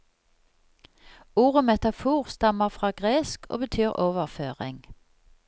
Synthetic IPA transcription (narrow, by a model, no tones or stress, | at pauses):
uːʁəmɛt̪ɑfuːʁst̪ɑməʁfʁɑːɡʁeːskʰo̰ːbət̪ʰyːʁʔoːʋəʁføːʁɪ̰ŋ